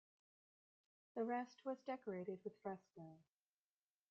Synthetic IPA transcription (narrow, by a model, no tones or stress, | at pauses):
ðɨɹɛst̚wʌzdɛkə˞eɪɾɨd̚wɨð̥fɹɛskə